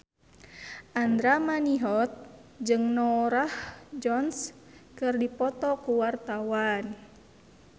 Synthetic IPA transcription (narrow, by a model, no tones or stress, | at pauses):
ʔand̪ɾamaniɦɔt̪̚d͡ʒɨŋnɔɾahd͡ʒɔns | kɨrdipɔt̪ɔkuwart̪awan